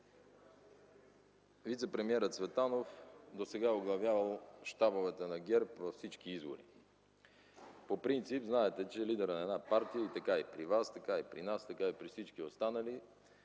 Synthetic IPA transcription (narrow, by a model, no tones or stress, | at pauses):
vit̪sɛpɾɛmiɛɾət̪svɛt̪anofd̪osɛɡaoɡlˠɐvjavəlˠʃt̪abovɛt̪ənɐɡʲɛɾpvɐfsit͡ʃk̟iizbo̰ɾḭ | popɾint̪sipznaɛt̪ɛt͡ʃɛlid̪ɛɾənɐɛd̪napaɾt̪ijəit̪ɐkaipɾivast̪ɐkaipɾinast̪ɐkaipɾifsit͡ʃkiost̪anəli